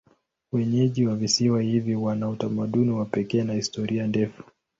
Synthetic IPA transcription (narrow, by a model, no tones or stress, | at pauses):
wɛɲɛʄiwavisiwahiviwanautamaɗuniwapɛkɛːnahistɔɾiandɛfu̥